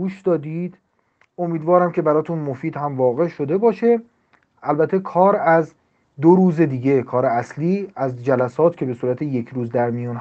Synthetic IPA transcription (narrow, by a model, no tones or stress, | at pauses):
uːʃd̪ɒːd̪id̪̥ | o̞miːd̪vɒːɾæmcʰe̞bæɾɒːt̪ʰunmo̞fiːd̪hæmvɒːɣe̞ʃo̞d̪e̞bɒːʃe̞ | ælbæt̪ʰːe̞kʰɒːɾæz | d̪oɾuːze̞d̪iːɡe̞kʰɒːɾeæsliːæzd͡ʒælæsɒːt̪ʰcʰe̞be̞suːɾæt̪ʰeje̞kʰɾuːzd̪æɾmijuːn